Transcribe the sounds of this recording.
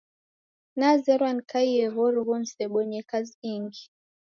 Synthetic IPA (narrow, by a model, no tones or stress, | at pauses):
nazɛɾwankaiɛɣɔɾuɣunsɛɓɔɲɛkaziiŋɡi